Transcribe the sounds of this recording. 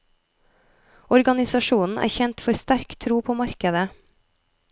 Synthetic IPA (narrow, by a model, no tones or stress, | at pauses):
ɔɾɡɑnɪsɑʃuːnn̩ʔæ̰ːçɛnt̪fɔɾst̪æɾkt̪ʰɾuːpʰoːmɑɾkəd̪ə